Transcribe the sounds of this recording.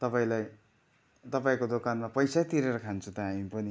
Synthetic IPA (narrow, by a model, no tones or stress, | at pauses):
t̪ʌpaĩlaj | t̪ʌpaĩkod̪okanmapʌjsajt̪iɾeɾʌkʰant͡sʰũt̪ʌɦamipʌni